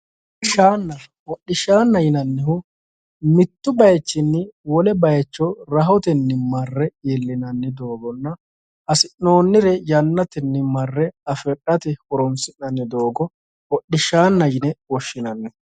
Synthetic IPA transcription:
ɪʃaːnːɐ | wɔɗːɪʃaːnːɐjɪnɐnːɪhʊ | mɪt̪ːʊbɐjt͡ʃːɪnːɪwɔlɛbɐjɛt͡ʃːɔɾɐɦɔt̪ɛnːɪmɐrːɛeːlːɪnɐnːɪd̪o̞ːɡɔnːɐ | ɐsɪnːo̞ːnːɪɾɛjɐnːɐt̪ɛnːɪmɐrːɛɐfɛᶑɐt̪ɪhɔɾɔmsɪnːɐnːɪd̪o̞ːɡɔ | wɔɗːɪʃaːnːɐjɪnɛwɔʃːɪnɐnːɛ

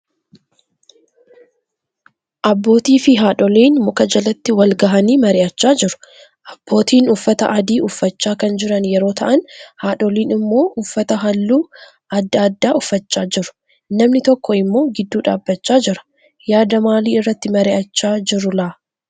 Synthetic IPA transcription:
ʔɐbːo̞ːt̪iːfɪɦaːᶑɔliːnmʊkɐd͡ʒɐlɐt̪ːɪwɐlɡɐɦɐniːmɐɾɪʔɐt͡ʃːaːd͡ʒɪɾʊ̥ | ʔɐb̥ːo̞ːt̪iːnʊfːɐt̪ɐ̰ʔɐd̪iːʊfːɐt͡ʃːaːkɐnd͡ʒɪɾɐnjɛɾo̞ːt̪ʰɐʔɐnhaːᶑɔliːnɪmːo̞ːʔʊfːɐt̪ɐɦɐlːuː | ʔɐd̪ːɐːd̪ːaːʊfːɐt͡ʃːaːd͡ʒɪɾʊ̥ | nɐmnɪt̪ɔkːɔɪmːo̞ːɡɪd̪ːuːᶑa̰ːbːɐt͡ʃːaːd͡ʒɪɾɐ̥ | jaːd̪ɐmaːliːɪrːɐt̪ːɪmɐɾɪʔɐt͡ʃːaːd͡ʒɪɾʊlɐ

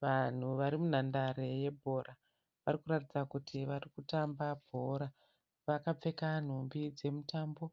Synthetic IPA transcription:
ʋan̤uʋaɾimun̤andaɾe̞je̞bʱo̞ɾa | ʋarikuɾatid͡zakutʰiʋarikutambabʱo̞ɾa | ʋakap͡fe̞kan̤umbid͡ze̞mutaːmbo̞

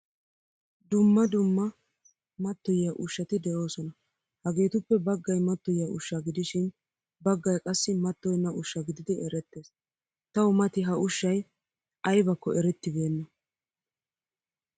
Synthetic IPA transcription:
d̪ʊmːɐd̪ʊmːɐ | mɐt̪ːɔjjɐʔʊʃːɐt̪ɪd̪ɛʔo̞ːsɔnɐ | hɐɡe̞ːt̪ʊpːɛbɐɡːɐjmɐt̪ːɔjjɐʔʊʃːaɡɪd̪ɪʃɪn | bɐɡːɐjkʼɐsːɪmɐt̪ːɔjnːɐʔʊʃːɐɡɪd̪ɪd̪ɪɛɾɛt̪ːe̞ːs | t̪ɐwʊmɐt̪ɪɦɐʔʊʃːɐj | ɐjbɐkːɔʔɛɾɛt̪ːɪbe̞ːnːɐ

